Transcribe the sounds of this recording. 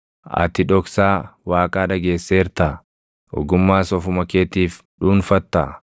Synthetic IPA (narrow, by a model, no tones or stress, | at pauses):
ɐ̰t̪ɪᶑɔksaːwaːkʼaːᶑɐɡe̞ːsːeːɾt̪ɐ | ɔ̰ɡʊmːaːsɔfʊmɐkeːt̪iːf | ᶑuːnfɐt̪ːɐ̰